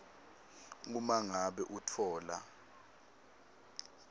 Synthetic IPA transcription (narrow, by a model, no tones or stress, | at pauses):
ŋumaŋaɓɛʔutʰɔːla̰